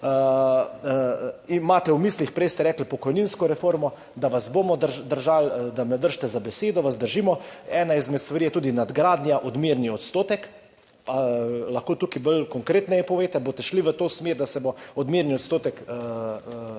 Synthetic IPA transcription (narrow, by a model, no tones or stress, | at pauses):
imaːt̪ɛwmislixpɾɛjst̪ɛɾɛːklpɔkɔjninskɔɾɛfoːɾmɔ | d̪aʋasbomɔd̪əɾd̪əɾʒald̪amɛd̪əɾʃt̪ɛzabɛseːd̪ɔʋasd̪əɾʒimɔɛːnaizmɛt̪st̪ʋaɾijɛt̪uːd̪inad̪ɡɾaːd̪njaʔɔd̪miɾniɔt̪st̪oːt̪ɛk | palaxkoːt̪ukibəlkɔŋkɾeːt̪nɛjɛpɔʋeːt̪ɛboːt̪ɛʃliʋət̪oːsmeːɾd̪asɛboɔd̪miɾnioɔt̪st̪oːt̪ɛk